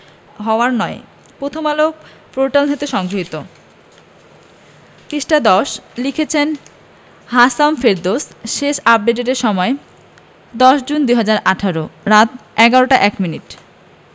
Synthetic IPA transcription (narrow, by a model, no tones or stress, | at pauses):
ɦɔoaɾnɔe | pɾot̪ʰomalo | fɾoʈald̪et̪eʃɔŋɡɾoɦit̪o | k̪iʃʈad̪ɔʃlikʰet͡ɕʰen | ɦasamfeɾd̪osʃeʃap̚ɖeʈeʈeɾʃɔmɔe | d̪ɔʃd͡ʑund̪ujɦad͡ʑaɾʔaʈʰaɾoɾat̪̚ʰɛɡaɾoʈaʔɛkminiʈ